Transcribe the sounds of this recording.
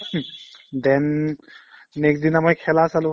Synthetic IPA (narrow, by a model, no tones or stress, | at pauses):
d̪ɛ̃nː | eksd̪inamajkʰelasalo